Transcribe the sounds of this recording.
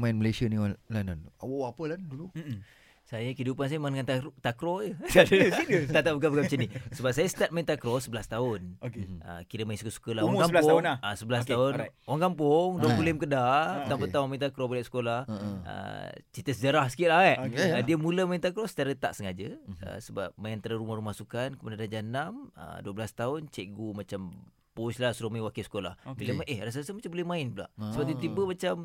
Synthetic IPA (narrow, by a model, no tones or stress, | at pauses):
mainməlesanilananawaʔapəlandulu | sajəkəidupans̬ajəmnŋant̪at̪akɾojəait̪aʔt̪aʔbuk̬abukamt͡ʃənisəbap̚sajəst̪at̪̚maint̪akɾɔsəbəlast̪aʊnokeʔə̰kiɾəmajinsukəsu̥kəlawakmblasp̪anaasəbəlast̪aʊnwaŋkampʊŋduəpulɪmkədat̪ampət̪aunmaint̪akɾɔbolɛʔsə̥kolahə̰t͡ʃit̪əsəd͡ʒəɾahsə̥kit̪̚laaʔdiəmuləmaint̪akɾɔsə̥t̪aɾət̪a̰ʔsəŋad͡ʒəə̰səba̰p̚maant̪əɾəɾumahɾumahsukankəpadadad͡ʒanamə̰duəbəlast̪aʊnt͡ʃɛʔɡumat͡ʃam | puslasuɾamaiwakisə̥kola̰hbiləmaʔehras̬asəmat͡ʃambolɛmãɪnpula̰ʔsəbadit̪ibəmat͡ʃam